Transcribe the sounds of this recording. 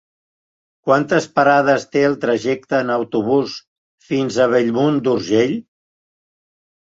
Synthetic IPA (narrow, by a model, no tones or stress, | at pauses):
kwant̪əspəɾað̞əst̪eəlˠt̪ɾəʒɛk̚t̪əːnəwt̪uβ̞us | finzəβ̞eʎmund̪uɾʒeʎ